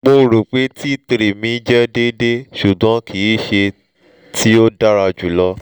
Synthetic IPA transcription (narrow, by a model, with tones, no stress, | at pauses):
k͡po˧˦ɾu˨k͡pe˨˦tʰi˦˨te˧ɾi˨mĩ˨˦d͡ʒɛ˦de˦de˦ʃu˨ɡ͡bɔ̃˨˦kʰi˨˦ʃe˧ | tʰi˦o˦da˦ɾa˧d͡ʒu˨lɔ˧